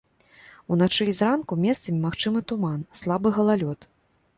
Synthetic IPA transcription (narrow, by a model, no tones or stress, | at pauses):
unat͡ʂɨizrankumʲɛst̪sɐmʲimaxt͡ʂɨmɨt̪umanslˠabɨɣɐlˠalʲɔt̪